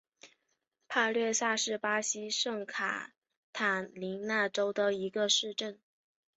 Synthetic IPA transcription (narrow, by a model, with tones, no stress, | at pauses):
pʰa˥˧lɥɛ˥˧sa˥˧ʂɻ̩˥˩pa˥ɕi˥ʂɤ˥˩ŋkʰa̰˨˩ | t̪ʰa˨˩nli˧˥ŋna˥˩ʈ͡ʂo˥ʊd̪ə˨i˧˥ɡə˧ʂɻ̩˥˧ʈ͡ʂə˥˩n